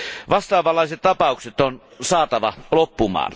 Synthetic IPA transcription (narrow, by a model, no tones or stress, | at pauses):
ʋɑst̪ɑːʋɑlːˑɑˑeset̪t̪ɑpɑˑukset̪onsɑːt̪ɑʋɑlopːumɑ̰ːn